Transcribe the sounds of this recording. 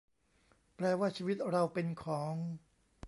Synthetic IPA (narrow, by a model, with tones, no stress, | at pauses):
pɾɛː˧waː˥˩t͡ɕʰiː˧wi˦˥t̪̚ɾa˧wpe˧nkʰɔː˩˦ŋ